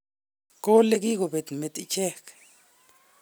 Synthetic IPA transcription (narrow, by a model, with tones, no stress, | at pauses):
ko˦le˦ki˦ko˨be˨t̪me˨t̪i˦t͡ʃɛ˦k